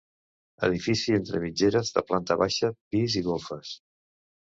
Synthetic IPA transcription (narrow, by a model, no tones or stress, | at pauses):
ə̰ðifisient̪ɾə̰mid͡ʒeɾəzðə̰plant̪əβaʃəpiziɣolˠfəs